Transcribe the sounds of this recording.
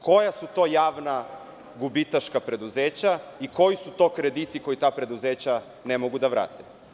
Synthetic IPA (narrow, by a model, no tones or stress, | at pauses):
kʰo̞jasut̪o̞ːjaːʋna | ɡubit̪aʃkapɾe̞d̪uzeːt͡ɕaiko̞jisut̪o̞ːkɾe̞d̪it̪iko̞jit̪aːpɾe̞d̪uzeːt͡ɕa | nemoɡud̪aʋɾʔa̰ːt̪e̥